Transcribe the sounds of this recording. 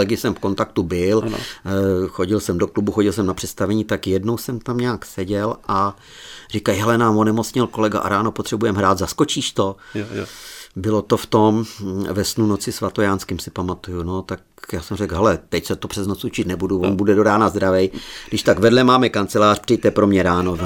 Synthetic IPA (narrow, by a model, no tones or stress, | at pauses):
ɛɡɪsɛmfko̞nt̪akt̪ubɪl̰ | xo̞ɟɪlsɛmdo̞klubuxo̞ɟɪlsɛmnapr̥ɛt̪st̪avɛɲit̪akjɛdno̞wsɛmt̪amɲaːksɛɟɛlʔa | rɪkajɦɛlɛnaːmonɛmot͡sɲɪlko̞lɛɡa̰ʔa̰ɾaːnopot̪r̥ɛbujɛmɦɾaːt̪zasko̞t͡ʃiːʃt̪o̞ | bɪlo̞t̪o̞ft̪o̞mvɛsnuno̞t͡sɪsvat̪ojaːnskɪmsɪpamat̪ujuno̞t̪ak̚ | jaːsɛmrɛkɦɛlɛt̪ɛcsɛt̪opr̥ɛznot͡sut͡ʃɪt̪nɛbuduvonbudɛdo̞daːnazd̪ɾavɛjɡdɪʃt̪aɡvɛdlɛmaːmɛkant͡sɛlaːrpr̥ɛjt̪ɛpɾomɲɛɾaːno